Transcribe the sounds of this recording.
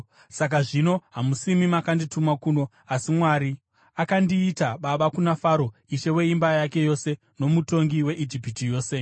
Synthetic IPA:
sak̬aʐino̞ɦamusimimakanditumakuːno̞ | asimwaɾi | akandiːtaɓaɓakunafaɾo̞iʃe̞we̞imbajake̞jo̞se̞ | no̞muto̞ŋɡiwe̞ʔid͡ʒipitijo̞ːse̞

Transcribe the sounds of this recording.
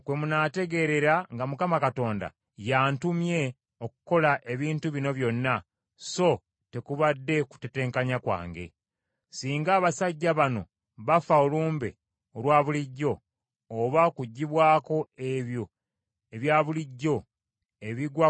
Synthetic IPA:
kwe̞munate̞ɡe̞ɾe̞ɾaŋɡamukamakato̞ːnda̰ | jaːntumje̞ | okuko̞laʔe̞βiːntuβino̞βjo̞nːa | so̞ | te̞kuβadːe̞ku̥te̞te̞ːŋkaɲakwa̰ːŋɡe̞̰ | siːŋɡaːβasaɟːaβano̞̰ | βafaoluːmbḛ | olwaːβuliɟːo̞ː | βakuɟːiβwaːko̞e̞βjo̞ | e̞βjaːβuliɟːo̞ | e̞βiɡwa

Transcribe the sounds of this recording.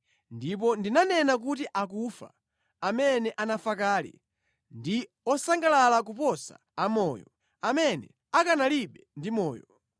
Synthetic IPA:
ndip̬ɔndinanɛnak̬utiʔak̬ufa̰ | amɛnɛʔanafakaːlḭ | ndi | ɔsaŋɡalalak̬upɔsa̰ːmɔːjɔ | amɛnɛ | akanaliɓɛndimɔːjɔ

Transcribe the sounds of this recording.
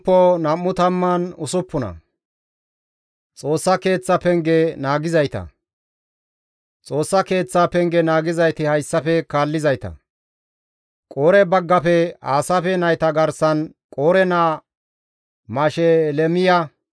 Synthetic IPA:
pːɔnɐmːʊt̪ɐmːɐnʊsʊpːʊnɐ̰ | t͡sʼo̞ːsːɐke̞ːt͡sːɐpɛŋɡɛnaːɡɪzɐjt̪ɐ̰ | t͡sʼo̞ːsːɐke̞ːt͡sːapɛŋɡɛnaːɡɪzɐjt̪ɪhɐjsːɐfɛkaːlːɪzɐjt̪ɐ̰ | kʼoːɾɛbɐɡːɐpɛaːsɐfɛnɐjt̪ɐɡɐɾsɐn | kʼoːɾɛnaː | maːʃɛlɛmɪjɐ

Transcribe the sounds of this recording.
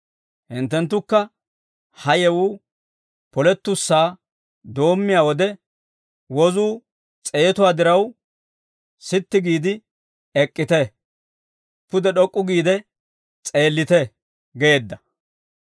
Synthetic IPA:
hɪnt̪ːɛnt̪̬ːʊkːɐ | hɐjɛwuː | pɔlɛt̪ːʊsːaː | d̪o̞ːmːɪjaːwɔd̪ɛ | wɔzuː | t͡sʼeːt̪ʊwaːd̪ɪɾɐw | sɪt̪ːɪɡiːd̪ɪ | ɛkʼːɪt̪ɛ | pʊd̪ɛɗɔkʼːʊɡiːd̪ɛ | t͡sʼe̞ːlːɪt̪ɛ | ɡe̞ːd̪ːɐ

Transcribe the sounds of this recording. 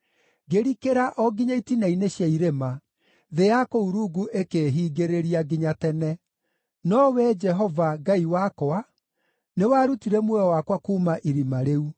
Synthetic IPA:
ɡeɾikeɾaʔɔɡiɲaitinaineɕjaiɾema | ðejakouɾuɡuʔekeɦiːɡeɾeɾiaɡiɲatɛnɛ | nɔwɛd͡ʒɛɦɔvaɡaiwakɔa | newaɾutiɾɛmwɛɔwakwakuːmaʔiɾimaɾeu

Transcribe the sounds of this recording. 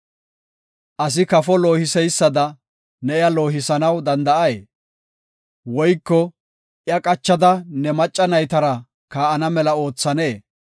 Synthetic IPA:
ʔɐs̬ɪkɐfɔloːhɪsɛjsːɐd̪ɐ | nɛɪjɐlo̞ːɦɪsɐnɐwd̪ɐnd̪ɐʔɐje | wɔjkːɔ | ʔjɐkʼɐt͡ʃːɐd̪ɐnɛmɐt͡ʃʼːɐnɐjt̪ɐɾɐ | kaːʔɐnɐmɛlɐo̞ːt͡sːɐneː

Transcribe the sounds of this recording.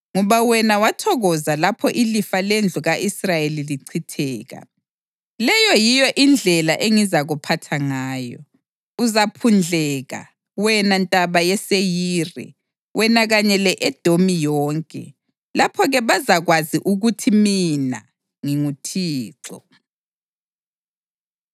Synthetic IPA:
ŋɔβawɛnawatʰɔɣɔzalapʰɔʔilifalend͡ɮʱuɣaʔisrajeliliǀʰitʰɛːɣa̰ | lɛjɔjijɔʔind͡ɮʱɛlaʔeŋizaɣupʰatʰaŋaːjɔ̰ | uzapʰund͡ɮʱɛːɣa̰ | wɛnantʼaβajɛsejiːrɛ̰ | wɛnaɣaɲɛlɛʔɛd̥ʱomijɔːŋkʼɛ̰ | lapʰɔɣɛβazaɣwaziʔuɣutʰimina̰ | ŋiŋutʰiːǀɔ̰

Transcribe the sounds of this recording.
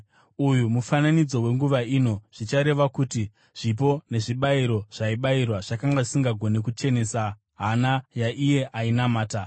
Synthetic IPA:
ujumufananid͡zo̞we̞ŋɡuʋaiːno̞ʐ̥it͡ʃaɾe̞ʋakuti | ʐ̥ip̬o̞ne̞ʐiɓaiɾo̞ʐ̥aiɓairwaʐ̥akaŋɡaʐisiŋɡaɡʱo̞ne̞kut͡ʃe̞ne̞ːsa | ɦanajaʔije̞ʔainamaːta

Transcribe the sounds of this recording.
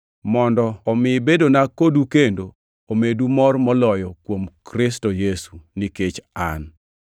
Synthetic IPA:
mɔndɔːmɪbedonakodukendo | omedumɔrmɔlɔjɔkwomkɾɪstojesuniket͡ʃa̰n

